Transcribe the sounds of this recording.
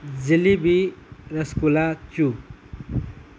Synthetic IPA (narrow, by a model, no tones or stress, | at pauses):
d͡zilibiɾʌskulat͡su